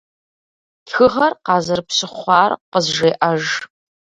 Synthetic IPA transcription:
txɨʁɐrqɑːzɐrpɕɪχʷɑːrqəzʒeːʔɐʒ

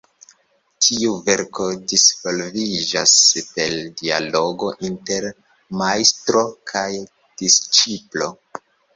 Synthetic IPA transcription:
tʰiuve̞ɾko̞disvo̞lvid͡ʒaspe̞ldia̰lo̞ɡo̞ʔinte̞ɾ | majstɾo̞kʰaj | d̥ist͡ʃiplo̞

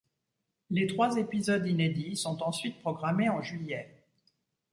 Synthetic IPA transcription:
let̪χwazepizɔd̪ined̪isɔ̃t̪ɑ̃sɥit̪̚pχɔɡʁameɑ̃ʒɥijɛ

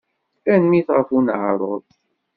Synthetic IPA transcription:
ænmiθʁəfunʕɾˤoðˤ

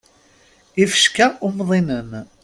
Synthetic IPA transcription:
ifəʃkæʔʊmðˤinən

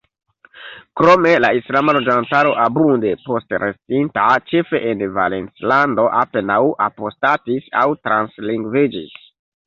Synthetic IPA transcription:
kɾo̞me̞laislamalo̞d͡ʒantaɾo̞ʔabunde̞po̞stɾe̞stintat͡ʃe̞fe̞ʔenva̰lent͡slando̞ʔape̞nawʔapo̞statisa̰wtɾansliŋɡved͡ʒḭs

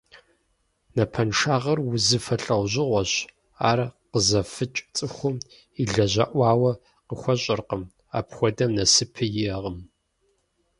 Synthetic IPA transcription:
nɐpʰɐnʂaːʁɐrwʊzɨfɐɬʼɐwʑɪʁʷɔɕ | aːrqəzɐfɨt͡ʃʼt͡sʼɨxʷʊm | iɮɐʑɐʔʷɑːwɐ | qəxʷɔɕʼɪrqəm | a̰ːpxʷɔdɐmnɐsɨpʰɨjɪɐʁəm

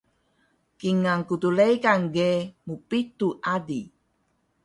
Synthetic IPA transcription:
kiŋaŋkut̪ulejkaŋɡemupit̪uʔadi

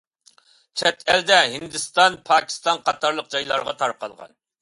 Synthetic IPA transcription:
t͡ʃʰɛt̪ʰɛld̪ɛɦind̪ɨst̪ɑnpʰɑːkʲʰi̥st̪ɑnqʰɑt̪ɑɾlˠəq̚d͡ʒɑjlˠɑ̰ɾʁɑt̪ʰɑɾqɑ̰lˠʁɑ̰n

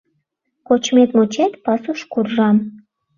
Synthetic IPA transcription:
kot͡ɕmet̪mot͡ɕet̪pɑsuʃkurʒɑm

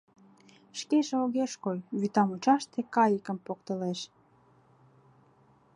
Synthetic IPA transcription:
ʃkeʃeoɣeʃkojβyt̪ɑmut͡ɕɑʃt̪ekɑjəkə̆mpokt̪ə̆leʃ

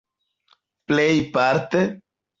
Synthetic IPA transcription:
plejpaɾt̪e

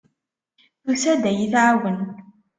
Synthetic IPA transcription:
θusæd̪æjiθʕawən

